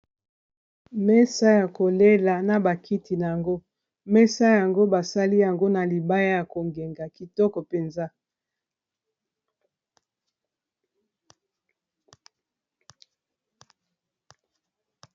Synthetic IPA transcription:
mɛ˦sa˦ja˨ko˨le˦la˨na˨ba˨kʰi˦ti˨na˨ja˨ŋɡo˦ | mɛ˦sa˦ja˨ŋɡo˦ba˨sa˦li˦ja˨ŋɡo˦na˨li˨ba˦ja˦ja˨ko˨ŋɡe˨ŋɡa˨ki˨tɔ˦kɔ˨pe˨nza˦

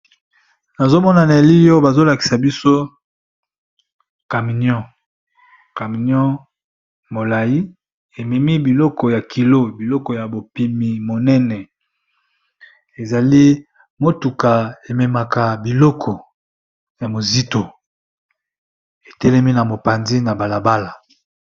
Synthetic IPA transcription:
na˨zo˦mɔ˦na˨na˨e˨li˦jɔ˦ba˨zo˦la˨ki̥˨sa˨bi˦so˦ | ka˨mi˨njɔ̃˦ | ka˨mi˨njɔ̃˦ | mo˨la˨ji˦ | e˨mɛ˨mi˦bi˨lɔ˦kɔ˨ja˨kʰi˨lo˦bi˨lɔ˦kɔ˨ja˨bo˨pi˦mi˨mo˨nɛ˦nɛ˨ | e˨za˨li˦ | mo˦tu˨ka˨e˨mɛ˨ma˨ka˨bi˨lɔ˦kʰɔ˨ | ja˨mo˨zi˦to˨ | e˨tɛ˦lɛ˦mi˦na˨mo˨pa˨nzi˦na˨ba˨la˨ba˦la˨

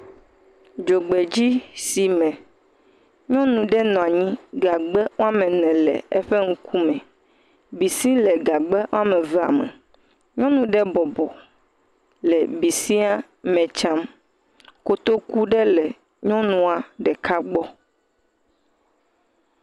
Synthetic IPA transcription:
d͡ʒo˨ɡ͡be˨d͡ʑi˦si˨mɛ̃˨ | ɲɔ̃˦nũ˨ɖɛ˦nɔ̃˨a˨ɲĩ˦ɡa˨ɡ͡bɛ˦wo˦a˦mɛ̃˨nɛ̃˨lɛ̰˨ɛ̰˦ɸe˦ŋ̩˦kʰu˦mɛ̃˨ | bi˨sĩ˦lɛ˨ɡa˨ɡ͡bɛ˦ʔo˦a˦mɛ̃˨vɛ˨a̰˨mɛ̰˨ | ɲɔ̃˦nũ˨ɖɛ˦bɔ˨bɔ˨ | lɛ˨bi˨sĩ˦a˦ | mɛ̃˨t͡ʃa˦m | ko˦t̪o˦ku˦ɖɛ˦lɛ˨ | ɲɔ̃˦nũ˦a˨ɖɛ˨ka˦ɡ͡bɔ˦

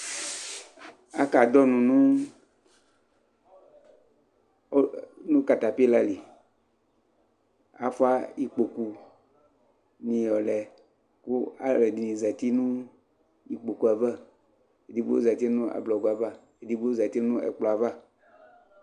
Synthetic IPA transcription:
a̰˦ka˨d̪ɔ˦nũ˨nũ˦ | o˦nũ˦ka˨t̪a˨pla˦li˨ | a̰˨fɔ˦a˦ji˦k͡po˨ku˨ | nĩ˨jɔ˨lɛ˨ | ku˦a̰˨lɛ˨di˨nĩ˨za˨t̪i˦nũ˦ | ji˨k͡po˨ku˨˦a˨vɛ˦ | e˨d̪i˨bu˦o̰˦za˨t̪i˦nũ˦a̰˨blɔ˨ɡa˨va˦ | e˨d̪i˨bu˦o˦za˨t̪i˦nũ˦ɛ̰˨k͡plɔ˨a˨va˦

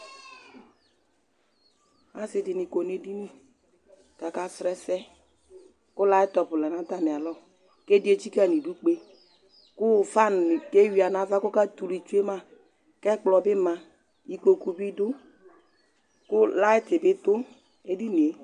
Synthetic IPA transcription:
a˦sɪ˨dɪ˨ni˨ko˨n˦e˨di˦ni˦ | ka˨ka˦sɾɛ˦sɛ˦ | kʊ˦la˦ɪ˦tɔ˨pʊ˨lɛ˨na˦ta˦˨mɪ˨a˨lɔ˦˨ | ke˦di˦e˦t͡ʃi˦ka˦˨ni˨du˦k͡pe˦ | kʊ˦˨fa˦˨n˨ke˦wi˨a˨na˨˦va˦kʊ˦ka˦tu˨li˨t͡ʃu˦e˦ma˦ | kɛ˦k͡plɔ˨bɪ˦ma˨ | i˨ko˨ku˨bi˦dʊ˦ | kʊ˦la˦ɪ˦tɪ˨bɪ˦tʊ˦ | e˦di˦n˨e˨˦

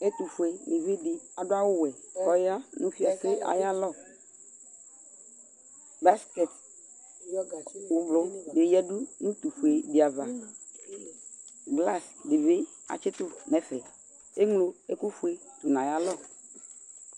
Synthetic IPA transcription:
e˦t̪u˨fu˨e˨ne˨ve˦dɪ˨a˨dʊ˦a˦wʊ˦wɛ˨kɔ˦ja˦nũ˦fi˨a˨se˦ʔa̰˨ja˦lɔ˦˨ | ba˦skɛ˨t | wʊ˨blʊ˨de˨jɛ˦du˦nũ˦t̪u˨fu˨e˨de˨a˨va˨ | ɡla˦sdɪ˨ve˦ | a̰˨t͡ʃɪ˦t̪ʊ˦nɛ˨fɛ˨ | e˦ŋlo˨e˦ku˦fu˨e˨t̪u˨nã˨ja˦lɔ˦˨

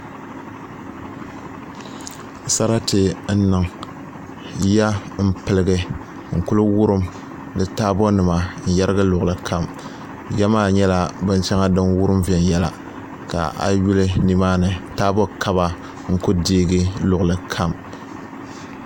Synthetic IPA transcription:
sa˦ɾa˦tɨ˨n̩˦nɨ˨ŋ | ja˦m̩˦pɨ˨lɨ˨ɡɨ˦ | ŋ̩˨ku˦lɨ˦wʊ˦ɾɨ˦m | dɨ˨taː˦bɔ˦nɨ˨ma˨n̩˨jɛ˦ɾɨ˦ɡɨ˦lʊ˨ɣʊ˨lɨ˦kʰa˦m | jɛ˦maː˦˨ɲɛ˦la˦bɨ˦n˦t͡ʃɛ˦ŋa˦dɨ˦nwu˦ɾɨ˦mvi˨ɛ˨njɛ˦la̰˨ | ka̰˨ʔa̰˨ju˦lɨ˦ni˨maː˦nɨ˨taː˦bɔ˦kʰa˦βa˦ | ŋ̩˦kʊ˦diː˦ɡɨ˦lʊ˨ɣlɨ˨kʰa˦˨m

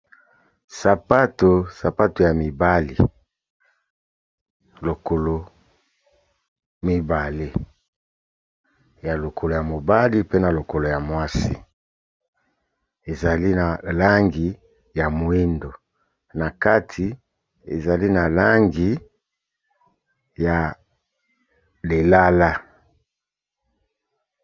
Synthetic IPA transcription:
sa˨pa˦to˨sa˨pa˦to˨ja˨mi˨ba˦li˨ | lo˨ko˨lo˨ | mi˦ba˨le˦ | ja˨lo˨kʰo˨lo˨ja˨mo˨ba˦li˦pe˦na˨lo˨ko˨lo˨ja˨mwa˦sḭ˦˨ | e˨za˨li˦na˨la˦ŋɡi˨ | ja˨mo˨e˦ndo˨ | na˨ka˦tʰi˨ | e˨za˨li˦na˨la˦ŋɡi˨ | ja˨ | le˨la˦la˦

